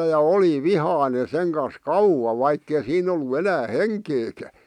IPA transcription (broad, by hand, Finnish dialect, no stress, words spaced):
jɑ oli ʋihɑˑĭne seŋ kɑs kɑuwɑ ʋɑikːei siːn olːu enæː heŋkeːkæ